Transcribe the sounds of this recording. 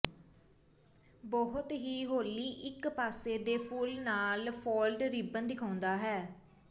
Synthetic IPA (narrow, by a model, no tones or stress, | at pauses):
bɔɦʊt̪ɦiːɦoːliːʔɪkpaːseːd̪eːpʰuːlnaːlpʰoːlɖɾiːbənd̪ɪkʰãːʊnd̪aːɦɛː